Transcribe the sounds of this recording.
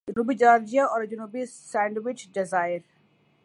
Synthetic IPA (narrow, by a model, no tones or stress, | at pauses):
ʊnuːbid͡ʒaːɾd͡ʒijaɔːɾd͡ʒʊnuːbisɛ̃ːɳɖwɪt͡ʃɖɪzaːjəɾ